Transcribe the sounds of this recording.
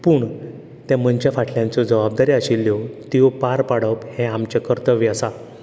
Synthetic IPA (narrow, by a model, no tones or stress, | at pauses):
puːɳ | t̪jãm̤ənt͡ɕjafaʈʰljãnt͡sɔd͡zəʋab̚d̪aɾiaɕilːjot̪jopaɾpaɽəphɛ̃amt͡ɕakəɾt̪əʋiəsa